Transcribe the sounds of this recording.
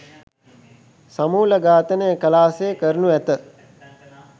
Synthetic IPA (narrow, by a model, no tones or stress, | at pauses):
samuːləɡaːt̪ənəəkəlaːsekəɾənuæt̪ə